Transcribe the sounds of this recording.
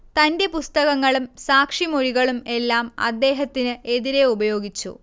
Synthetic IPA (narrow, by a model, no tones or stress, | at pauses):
t̪ɐnde̞pust̪ɐɣɐŋːɐɭumsaːkʂimoɻiɣɐɭume̞lːaːmɐ̰d̪ːe̞ːɦɐt̪ːinɨe̞ðiɾe̞ubɐjo̞ːɡit͡ɕːṵ